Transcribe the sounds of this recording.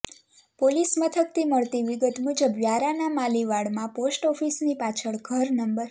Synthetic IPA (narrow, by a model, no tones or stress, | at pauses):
polismət̪ʰəkt̪ʰiməɭt̪iʋiɡət̪mud͡ʒəbʋjaɾanamaliʋaɽmãposʈɔfisnipat͡ʃʰəɭɡʱəɾnəmbəɾ